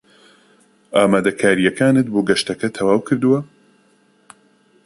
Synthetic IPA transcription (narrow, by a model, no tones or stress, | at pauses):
ʔaːmaːd̪ɐkʰaːɾijɛkʰaːnɨt̪̚boːɡɐʃt̪ɐkɐt̪ʰɐwaːwkʰɨɾd̪ɨwɐ